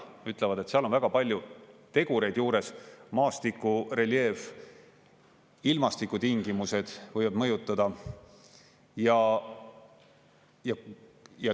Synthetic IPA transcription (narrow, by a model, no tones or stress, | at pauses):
yt̪ˑlevɑd̪̥e̞t̪ːseɑlo̞nvæɡ̥ɑpɑlʲjut̪e̞ɡ̥uɾe̞jd̪̥juːɾe̞smɑːst̪ikːˑure̞lje̞ːv | ilmɑst̪ikːut̪iŋɡ̥imuse̞d̪̥vɤjvɑd̪mɤjut̪ːˑɑd̪̥ɑ | jɑ | jɑjɑ